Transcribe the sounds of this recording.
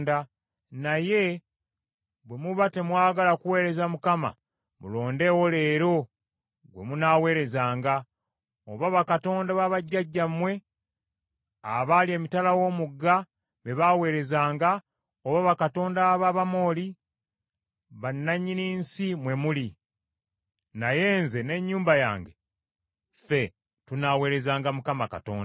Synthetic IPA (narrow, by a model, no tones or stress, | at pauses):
da | naje̞ | βwe̞muβate̞mwaːɡalakuwe̞ːɾe̞zamukama̰ | mṵlo̞ːnde̞wole̞ːɾo̞ | ɡwe̞̰munaːwe̞ːɾe̞zaːŋɡa | oβaβakato̞ːndaβaβaɟːaɟːamwe̞ | a̰βalje̞ːmitalawo̞ːmuɡːa | βe̞βawe̞ːɾe̞zaːŋɡa | oβaβakato̞ːndaβaβamo̞ːli | βanːaɲːiniːnsimwe̞muli | naje̞ːnze̞ne̞ɲːuːmbaja̰ːŋɡe̞ | fe̞ | tunawe̞ːɾe̞zaːŋɡamukamaka̰to̞̰ːnda